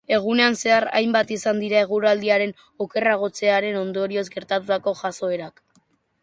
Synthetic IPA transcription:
e̞ɣ̞une̞anse̞ara̰jmbat̪isand̪iɾae̞ɣ̞uɾald̪iaɾe̞n | oke̞raɣ̞o̞t͡se̞aɾe̞no̞nd̪o̞ɾio̞zɡe̞ɾt̪at̪ut̪ako̞ʝaso̞e̞ɾak

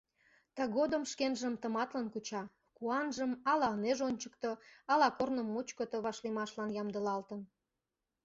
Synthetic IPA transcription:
t̪əɣod̪əmʃkenʒəmt̪əmɑt̪lənkut͡ɕɑ | kuɑnʒəmɑlɑəneʒonʲt͡ɕəkt̪oɑlɑkornə̆mːut͡ɕkot̪əβɑʃlimɑʃlɑnjɑmd̪ə̆lɑlt̪ən

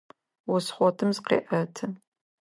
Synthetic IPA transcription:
wɔsχʷɔtʰɨmzqḛːʔɐtʰɨn

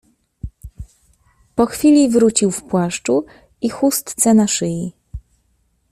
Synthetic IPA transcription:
pɔxfʲilʲivɾut͡ɕiwfpwaʂt͡ʂu | ixust̪t̪sɛnaʂɘji

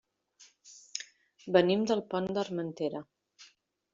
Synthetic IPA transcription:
bənimd̪əlˠpɔnd̪ərmənt̪eɾə

